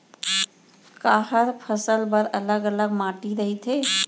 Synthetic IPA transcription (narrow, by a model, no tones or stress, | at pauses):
kaɦəɾpʰəsəlbəɾələɡələɡmaʈiɾəɦit̪ɦe